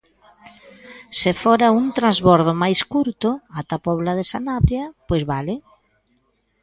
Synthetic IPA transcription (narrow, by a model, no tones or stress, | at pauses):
sɪfɔɾauŋt̪ɾazβɔɾð̞ʊmajskuɾt̪ʊat̪apɔβlaðesanaβɾjɐpojzβalɪ